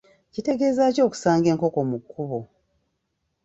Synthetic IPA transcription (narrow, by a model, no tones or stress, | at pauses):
cite̞ɡe̞ːzaːco̞ːku̥saːŋɡe̞ːŋko̞ko̞mukːuβo̞